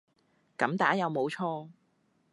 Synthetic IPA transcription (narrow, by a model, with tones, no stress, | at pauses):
kɐ˨˥mt̪aː˨˥jɐ˨˧wmo˨˧wt͡ʃʰɔː˥˧